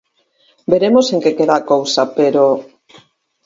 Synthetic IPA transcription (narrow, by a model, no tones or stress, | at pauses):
beɾemoseŋkekeðaːkowsapeɾo